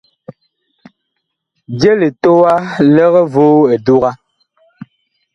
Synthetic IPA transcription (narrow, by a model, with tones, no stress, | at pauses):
d͡ʒe˦le˨to˦wa˦lɛ˦ɣɛ˦voː˦e˨du˦ɣa˦